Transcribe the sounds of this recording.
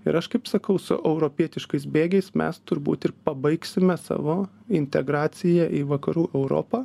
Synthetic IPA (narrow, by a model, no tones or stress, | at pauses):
ɪ̰ɾɐʃkɐɪpsɐkɐʊsʊ̰ʔɛʊɾoːpʲiɛt̪ʲɪʃkɐɪs̬bʲeːɡʲɛɪsmʲɛ̰st̪ʊɾbṵːt̪ɪɾpɐbɐɪksʲɪmʲɛsɑ̰ːʋoː | ɪnʲt̪ʲɛɡɾɑːtsʲɪjɛʔiʋɐkɐɾuːʔɛʊɾo̰ːpɑː